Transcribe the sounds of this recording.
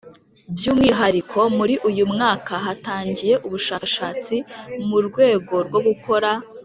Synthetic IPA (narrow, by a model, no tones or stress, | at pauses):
bjuːmŋiːɦaɾikʰo̞muɾiʔujumŋaːkaɦataːɲɟije̞ʔuβuʃaʃaːt͡simuɾɡwe̞ːɡo̞ɾɡo̞ɡukʰo̞ɾa